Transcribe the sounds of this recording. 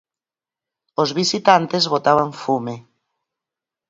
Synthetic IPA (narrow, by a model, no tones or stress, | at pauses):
ozβisit̪ant̪ezβot̪aβ̞aɱfume